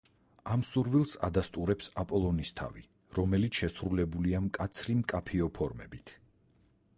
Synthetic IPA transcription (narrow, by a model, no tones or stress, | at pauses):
amsuɾvilˠsa̰d̪ast̪ʼuɾɛpsapʼɔlˠɔnist̪ʰa̰vi | ɾɔmɛlit̪ʰʃɛsɾulɛbuliamkʼat̪sʰɾimkʼapʰiɔpʰɔɾmɛ̰bit̪ʰ